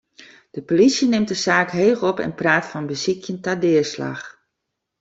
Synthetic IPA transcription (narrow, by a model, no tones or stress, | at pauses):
d̥əpolisjənɪmt̚dəsaːkɦeːxɔpɛ̰npraːtfɔnbəzikʰjəntadɪərsla̰x